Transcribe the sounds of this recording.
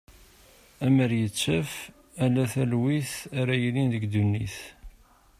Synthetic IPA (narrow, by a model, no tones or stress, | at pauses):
æməɾjət͡sːəf | ælːæθælwiθaɾæjəlinðəɡd̪unːḭθ